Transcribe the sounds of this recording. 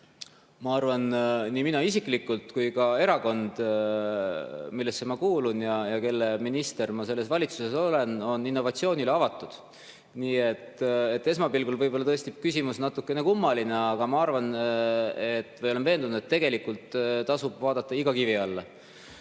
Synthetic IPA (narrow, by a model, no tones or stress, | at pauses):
mɑɑrvɑnniminɑisikˑlikːult̪kujkɑe̞ɾɑko̞nd̪̥ | milːe̞sːe̞mɑkuːlunjɑjɑke̞lːe̞minist̪e̞rmɑse̞lːe̞svɑlʲit̪suse̞so̞le̞no̞ninːovɑt̪sio̞ːnileɑvɑt̪ːˑud̪̥ | niːe̞t̪ːet̪ːe̞s̬mɑpilɡ̥ulvɤjbo̞lːɑt̪ɤest̪ikysʲimusnɑt̪ːˑukːˑe̞ne̞kumːɑline̞ɑɡ̥ɑmɑɑrvɑn | e̞t̪ːmɑjoenve̞ːnd̪unud̪et̪ːeɡe̞likult̪t̪ɑsub̥vɑːd̪ɑt̪ˑːɑiɡ̥ɑkiviɑlːɑ